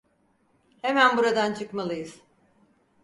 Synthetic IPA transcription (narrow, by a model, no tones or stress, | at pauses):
hemænbuɾad̪ant͡ʃʰɯkmalˠɯjɯz̥